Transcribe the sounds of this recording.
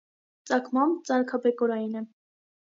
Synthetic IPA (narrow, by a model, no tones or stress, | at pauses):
t͡sɑkʰmɑmt͡sɑɾkʰɑbɛkɔɾɑjinɛ